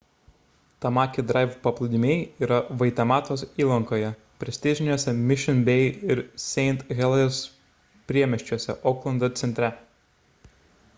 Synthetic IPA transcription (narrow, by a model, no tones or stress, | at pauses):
t̪ɐmɑːkʲɪd̪ɾɑˑɪfpɐplˠʊd̪ʲɪmʲeːjiːɾɐʋɐɪt̪ʲɛmɑːt̪oːsiːlˠɐŋkoːjɛ | pʲɾʲɛsʲt̪ʲɪzʲɪnʲuɔsʲɛmʲɪʃʲɪnbʲɛɪɪɾsʲɛɪnt̪ɣʲɛlˠɐs | pʲɾʲiɛmʲɛʃʲt͡ʃʲuɔsʲɛ̰ʔɔːklˠɐnd̪ɐt̪sʲɛnʲt̪ʲɾʲɛ